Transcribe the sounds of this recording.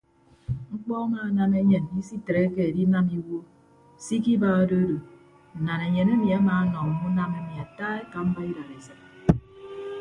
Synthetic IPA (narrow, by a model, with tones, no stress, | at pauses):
ŋ͡m̩˦k͡pɔ˦a˦maː˦˨na˦me˦ɲe˨ni˦si˦tɾe˨˦ke˦e˨di˦na˦mi˦wo˦ | si˦k̬i˦ba˦a˦do˦do˨ | n̩˨na˨ne˨ɲe˨ne˦mi˨a˦maː˨˦nɔ˨m̩˨mu˦na˦me˦mi˨a˨taː˦e˦ka˨m̩˦ba˦i˦da˨ɾe˨sa˨